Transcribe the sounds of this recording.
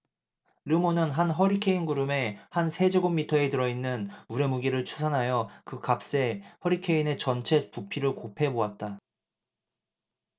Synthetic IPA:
ɾɯmonɯnɦanɦʌɾikʰe̞inɡuɾɯme̞hansʰe̞d͡ʑeɡomːitʰʌe̞tɯɾʌinːɯnuɾe̞muɡiɾɯɭt͡ɕʰu̥sʰanɦajʌkɯkap̚s͈e̞hʌɾikʰe̞ine̞t͡ɕʌnt͡ɕʰe̞pupʰiɾɯɭkopʰe̞boat̚t͈a

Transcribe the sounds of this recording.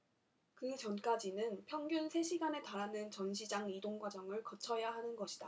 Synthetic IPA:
kɯt͡ɕʌnk͈ad͡ʑinɯnpʰjʌŋɡjunsʰe̞ɕʰiɡane̞taɾanɯnt͡ɕʌnɕʰid͡ʑaŋidoŋɡwad͡ʑʌŋɯɭkʌt͡ɕʰʌjaɦanɯnɡʌɕʰid̥a

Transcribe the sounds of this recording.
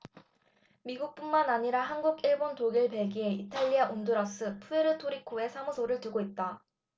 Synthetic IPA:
miɡuk̚p͈unmanaɲiɾaɦanɡuɡiɭbontoɡiɭpe̞ɭɡiɦe̞itʰaʎːiaʔonduɾas͈ʰɯpʰueɾɯtʰoɾikʰoe̞sʰamusʰoɾɯɭtɯɡoit̚t͈a

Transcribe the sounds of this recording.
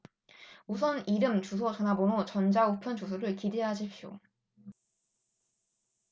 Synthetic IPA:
usʰʌniɾɯmt͡ɕusʰʌd͡ʑanabonot͡ɕʌnd͡ʑaupʰjʌnt͡ɕusʰoɾɯɭkideɦad͡ʑʰipɕ͈ʰjo̰

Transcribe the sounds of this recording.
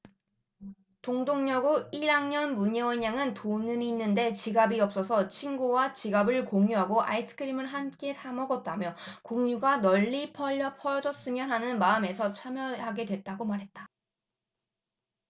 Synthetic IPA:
toŋdoŋɲʌɡuiɾaŋɲʌnmuɲewʌɲːaŋɯntonɯɲiːnːɯnde̞t͡ɕiɡabiʌp̚s͈ʌsʰʌt͡ɕʰinɡuwat͡ɕiɡabɯɭkoŋjuɦaɡoʔa̰is͈ʰɯ̥kʰɯɾimɯɭɦamk͈e̞sʰamʌɡʌt̚t͈amjʌkoŋɲuɡanʌʎːipʰʌʌpʰʌd͡ʑʌs͈ɯmjʌnɦanɯnmaɯme̞sʰʌt͡ɕʰamjʌɦaɡe̞dwe̞t̚t͈aɡomaɾɦe̞t̚t͈ḁ

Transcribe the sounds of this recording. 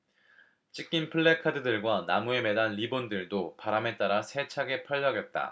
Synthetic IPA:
t͡ɕ͈ʰik͈inpʰɯɭːekʰadɯdɯɭɡwanamue̞me̞danɾibondɯɭdopaɾame̞t͈aɾasʰe̞t͡ɕʰaɡe̞pʰʌʎːʌɡjʌt̚t͈a̰

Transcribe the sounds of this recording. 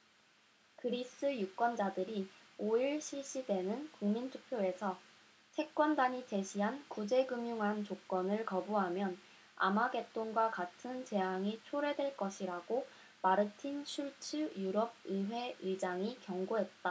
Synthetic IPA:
kɯɾis͈ɯjuk͈wʌnd͡ʑadɯɾioiɭɕʰiɭɕ͈idwe̞nɯnkuŋmintʰu̥pʰjoe̞sʰʌ | sʰe̞k͈wʌndaɲit͡ɕe̞ɕʰiɦankud͡ʑe̞ɡɯmjuŋɦant͡ɕok͈ʌnɯɭkʌbuɦamjʌn | a̰maɡe̞t͈oŋɡwakatʰɯnt͡ɕe̞ɦaŋit͡ɕʰoɾe̞dwe̞ɭk͈ʌɕʰiɾaɡo | maɾɯtʰinɕʰuɭt͡ɕʰɯjuɾʌb̚iɦwe̞id͡ʑaŋikjʌŋɡoɦe̞t̚t͈a

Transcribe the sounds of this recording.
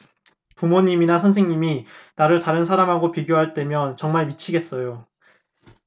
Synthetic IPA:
pumoɲiminasʰʌns̬ʰe̞ŋɲiminaɾɯɭtaɾɯnsʰaɾamɦaɡopiɡjoɦaɭt͈e̞mjʌnt͡ɕʌŋmaɭmit͡ɕʰiɡe̞s͈ʌjo

